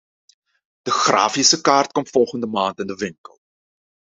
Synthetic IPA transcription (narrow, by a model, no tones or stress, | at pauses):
d̥əχrɑ̰ːfisəkaːrt̚kɔmfɔlˠχəndəmaːntəndəvɪŋkə̰lˠ